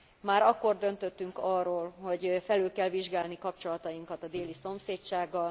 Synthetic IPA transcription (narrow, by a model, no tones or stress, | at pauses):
maːɾɒkːo̞rd̪ø̞nt̪øt̪ːyŋkɒrːoːlho̞ɟfɛlylkɛlviʒɡaːlnikɒp̚t͡ʃo̞lɒt̪ɒjiŋkɒt̪ɒd̪eːliso̞mseːtt͡ʃaːɡːɒl